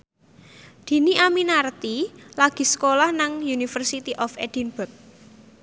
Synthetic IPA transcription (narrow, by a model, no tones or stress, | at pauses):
d̪̥i̤niʔaminart̪ilaɡ̥i̤sə̥kolahnaŋjunifərsit̪iʔɔfed̪̥inbʊk̚